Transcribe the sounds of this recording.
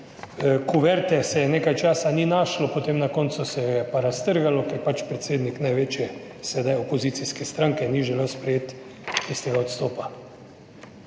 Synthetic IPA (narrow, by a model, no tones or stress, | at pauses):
kuʋɛɾt̪ɛsɛneːkajt͡ʃaːsaninaːʃlɔpot̪eːmnakɔnt̪susɛjɛpaɾast̪əɾɡalɔkɛɾpat͡ʃpɾɛt̪seːd̪niknajʋet͡ʃjɛ | sɛd̪ajɔpoziːt̪siskɛst̪ɾãŋkɛniʒɛlewspɾɛjeːt̪ | ist̪eːɡaot̪st̪oːpa